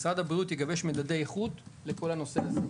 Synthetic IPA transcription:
sʁad̪abʁiut̪jeɡave̞ʃmedadejeχud̪le̞ko̞lano̞seaze

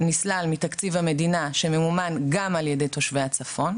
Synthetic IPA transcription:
nislalmit̪akt͡sivhame̞dinaʃememumanɡamaljede̞jto̞ʃvejat͡safo̞n

